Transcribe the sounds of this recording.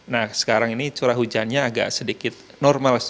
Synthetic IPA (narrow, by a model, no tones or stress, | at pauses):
nahsə̥kaɾaŋinit͡ʃuɾaɦud͡ʒanɲaːɡa̰ʔsədikɪt̪̚nɔrmals